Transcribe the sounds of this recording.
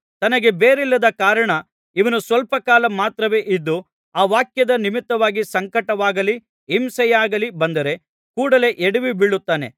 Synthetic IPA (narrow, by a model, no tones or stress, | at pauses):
t̪ɐnɐɡe̞beːɾilːɐd̪ɐkaːɾɐɳɐ | iʋɐnusʋɐlpɐkaːlɐmaːt̪ɾɐʋe̞ːʔid̪ːu | aːʋaːkjɐd̪ɐnimit̪ːɐʋaːɡisɐŋkɐʈɐʋaːɡɐli | imsɐjaːɡɐlibɐnd̪ɐɾe̞ | kuːɽɐle̞ʔeɽiʋibiɭːut̪ːaːne̞